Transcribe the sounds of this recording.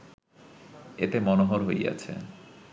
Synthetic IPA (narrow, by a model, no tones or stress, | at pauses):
et̪emɔnoɦoɾɦoja̰t͡ɕʰḛ